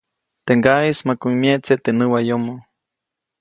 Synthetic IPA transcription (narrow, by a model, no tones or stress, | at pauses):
t̪eŋɡaismakuimjeʔt͡seʔt̪enɨwajomo